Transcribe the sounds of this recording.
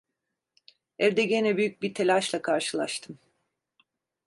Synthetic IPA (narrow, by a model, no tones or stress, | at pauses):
æɾd̪ɛɟenɛbyjyc̚biɾt̪ʰelʲaʃlˠakʰaɾʃɯlˠa̰ʃt̪ʰɯm